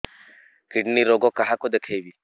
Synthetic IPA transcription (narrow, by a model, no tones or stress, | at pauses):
kɪɽniɾoɡokɐɦakod̪ekʰeʋi